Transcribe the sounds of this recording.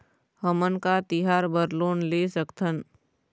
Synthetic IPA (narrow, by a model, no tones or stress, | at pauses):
həmənkat̪iɦaːɾbəɾloːnlesəkt̪ʰən